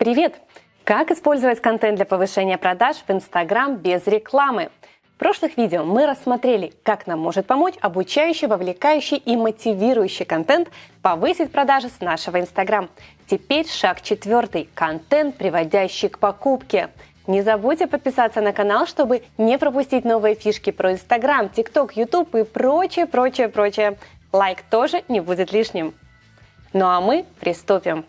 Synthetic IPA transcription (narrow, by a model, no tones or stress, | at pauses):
pɾʲɪvʲe̞t̪ | kakɨspo̞lʲzəvətʲkɐnt̪ɛnd̪lʲɐpəvɨʂɛnʲɪjəpɾɐd̪aʂvɨnst̪ɐɡɾambʲezɾʲɪklˠamɨ | fpɾo̞ʂlˠɨxvʲidʲɪəmɨɾəsːmɐt̪ɾʲelʲɪkaknamːo̞ʐɨt̪̚pɐmo̞t͡ɕɐbʊt͡ɕæjʉɕːɪjvəvlʲɪkajʉɕːɪjʔimətʲɪvʲiɾʊjʉɕːɪjkɐnt̪ɛnt̪pɐvɨsʲɪtʲpɾɐd̪aʐɨsnaʂɨvəɪnst̪ɐɡɾamtʲɪpʲeɾʲʂakt͡ɕɪt̪vʲo̞rt̪ɨjkɐnt̪ɛnt̪̚pɾʲɪvɐdʲæɕːɪjkpɐkupkʲɪ | nʲɪzɐbutʲɪpət̪̚pʲɪsat̪sːənəkɐnalˠʂt̪o̞bɨnʲɪpɾəpʊsʲtʲitʲno̞vɨjəfʲiʂkʲɪpɾəɪnst̪ɐɡɾamtʲɪkt̪o̞kjʊt̪upɪpɾot͡ɕɪjəpɾo̞t͡ɕɪjəpɾot͡ɕɪjə | lˠajkt̪o̞ʐɨnʲɪbudʲɪt̪lʲiʂnʲɪm | noɐmɨpɾʲɪst̪upʲɪm